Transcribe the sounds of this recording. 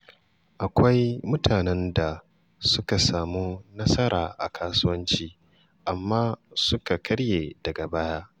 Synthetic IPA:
ʔa˨kʷa˦jmʊ˦tʰaː˨nɛ˦nda˨ | sʊ˦ka˨saː˨muː˦nɐ˦sɐ˦ɾa̰ː˨ʔa̰˨kʰaː˦sʊ˦wɐ˦nt͡ʃiː˦ | ʔa˨mːaː˦sʊ˦ka˨kʰɐ˦ɽjeː˨dɐ˨ɡa˨baː˦jaː˦

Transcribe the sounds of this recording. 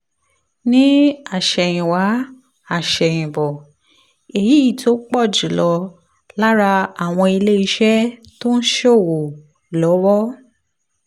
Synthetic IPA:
nĩ˦a˦˨ʃɛ˨j̃ĩ˨wa˨˦ | a˦˨ʃɛ˨j̃ĩ˨bɔ˨ | e˨ji˨˦i˦˨tʰo˦k͡pɔ˦˨d͡ʒu˨lɔ˨˧˦ | la˦ɾa˧a˨w̃ɔ̃˧i˧le˦i˧ʃɛ˦ | to˦n̩˦ʃo˦˨wo˨ | lɔ˨˦wɔ˦

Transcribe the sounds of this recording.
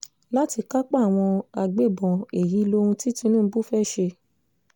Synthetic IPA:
la˦ti˧ka˦k͡pa˦˨w̃ɔ̃˧a˧ɡ͡be˦˨bɔ̃˨e˨ji˨˦lo˦ũ˧ti˦tĩ˧˦nũ˦˨˧bu˦˨fɛ˦˨ʃe˧

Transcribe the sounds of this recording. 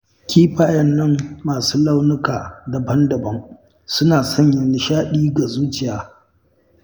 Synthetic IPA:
kʲʰiː˦ɸaː˨jɐ˦nːɐ˦mːaː˨suː˦la˦wnʊ˦kaː˨da˨bɐ˦ndɐ˨bɐ˦ŋ | sʊ˦naː˨sɔ˦˨ɲjɐ˨nɪ˨ʃaː˦ɗiː˦ɡa˨zuː˦t͡ʃɪ˨jaː˦

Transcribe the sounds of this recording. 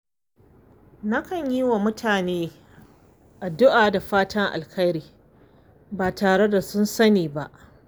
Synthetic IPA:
na˦kɐ˨ɲji˦wa˨mʊ˦tʰaː˨neː˦ | ʔa˨dʊ˦ʔaː˨da˨ɸaː˦tʰɐ˦ŋʔa̰˨lkʰɐ˦jɾiː˨ | baː˨taː˨ɽe˦da˨sʊ˦nsɐ˦niː˨ba˦ʔ

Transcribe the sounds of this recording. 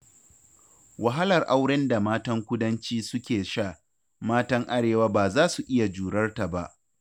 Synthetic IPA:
wa˨ɦa˦lɐ˨rʔa˦wɽɛ˦nda˨maː˦tɐ˦ŋkʷʊ˦dɐ˦nt͡ʃiː˦sʊ˦kʲeː˨ʃaː˦ | maː˦tɐ˦ŋʔa˦ɽeː˨waː˦baː˨zaː˦su˨ʔɪ˦ja˨d͡ʒuː˨ɽɐ˦rta˨ba˦ʔ

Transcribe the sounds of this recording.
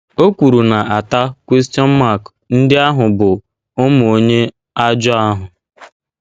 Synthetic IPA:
o˦kʷu˨ɾu˨na˨a˨ta˦kʷe˦s̬ti˦ɔ˦n̩˦ma˦˨k | n̩˦dɪ˦a˦ɦʊ˨bʊ˨ | ʊ˦mʊ˨o˦ɲe˦ | a˦d͡ʒɔ˦a˦ɦʊ˨

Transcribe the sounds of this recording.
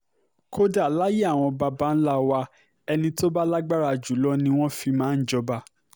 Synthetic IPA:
ko˦da˨la˦je˦a˦˨w̃ɔ̃˧ba˧ba˧˦n̩˦la˦˨wa˧ | ɛ˧nĩ˧to˦ba˦la˦ɡ͡ba˦ɾa˧˨d͡ʒu˨˦lɔ˦nĩ˧w̃ɔ̃˦fi˧mãː˦n̩˦d͡ʒɔ˧ba˧

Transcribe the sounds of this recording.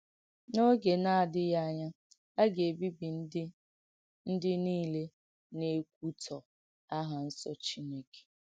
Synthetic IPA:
no˦ɡe˨na˦a˨dɪ˦ja˦˨ɲa˦ | a˦ɡe˨bi˦bi˨˦ | n̩˦dɪ˦niː˦le˦ | ne˦k̚ʷu˦tʰɔ˨ | a˦ɦa˨n̩˦sɔ̰˨t͡ʃi˦ne˦ke̥˨

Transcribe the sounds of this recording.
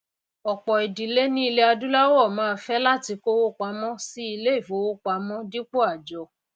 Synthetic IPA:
ɔ˨k͡pɔ˨i˨di˨le˦nĩ˦i˧le˦a˧du˦la˦wɔ˦˨mãː˨˦˧fɛ˦la˦ti˧ko˦wo˦k͡pa˧mɔ̃˦si˦i˧le˦i˦˨fo˨˦wo˦k͡pa˧˦mɔ̃˦di˦k͡po˦a˦˨d͡ʒɔ˨˦

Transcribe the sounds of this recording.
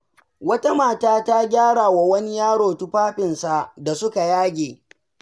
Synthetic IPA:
wɐ˦ta˦maː˨taː˦ta˦ɡʲaː˦ɽaː˨wa˨wɐ˦ni˦jaː˦ɽoː˨tu˦ɸaː˦ɸɪ˨nsa˨ʔda˨sʊ˦ka˨jaː˦ɡʲeː˨

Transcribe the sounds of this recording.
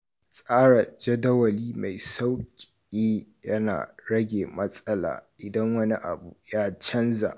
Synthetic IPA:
sʼaː˦ɽa˨d͡ʒɐ˦dɐ˦wɐ˨liː˦ma˨jsa˦wkʲʼ | iː˦jɐ˦na̰ː˨ɽɐ˦ɡʲeː˨mɐ˦sʼɐ˦la̰ː˨ʔɪ˨dɐ˦ŋwɐ˦ni˦ʔa̰˨bu˨jaː˦t͡ʃɐ˦nza̰˨ʔ

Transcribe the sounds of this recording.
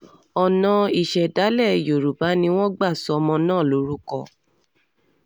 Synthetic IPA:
ɔ˨nɔ̃˧i˨ʃɛ˨da˨˦lɛ˦˨jo˨ɾu˨ba˨˦nĩ˧w̃ɔ̃˦ɡ͡ba˦˨sɔ˨˦ɔ˧mɔ̃˧nãː˦˨lo˨˦ɾu˦kɔ˧˨

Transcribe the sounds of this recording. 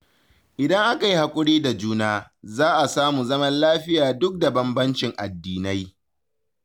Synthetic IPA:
ʔɪ˨dɐ˦ŋʔa˦ka˨ji˦ha˨kʷʼʊ˦ɽiː˦da˨d͡ʒuː˦naː˦zaː˦ʔa˨saː˦muː˨zɐ˦mɐ˦nlaː˦ɸɪ˦jaː˨dʊ˦k̚da˨bɐ˦mbɐ˦nt͡ʃɪ˨ŋʔa˨dːiː˨na˦j

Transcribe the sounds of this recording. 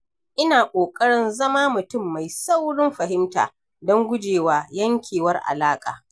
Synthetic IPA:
ʔɪ˦naː˨kʷʼoː˨kʼɐ˦ɽɪ˦nzɐ˦maː˦mʊ˨tʊ˦˨mːa˨jsa˦wɽɪ˦mɸɐ˨ɦɪ˦mta̰ː˨ | dɔ˦ŋɡʷʊ˦d͡ʒeː˨waː˨jɐ˦ŋkʲʰeː˨wɐ˦rʔa̰˨laː˦kʼa̰ː˨

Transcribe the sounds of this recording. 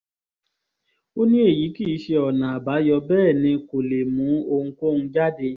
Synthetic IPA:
o˦nĩ˦e˦˨ji˨˦ki˦˨˦ʃe˧ɔ˨nã˨a˨ba˨˦jɔ˧bɛː˦˨nĩ˧ko˨le˨mũ˨˦o˧ŋ̩˦ko˦ñ̩˧d͡ʒa˦de˧

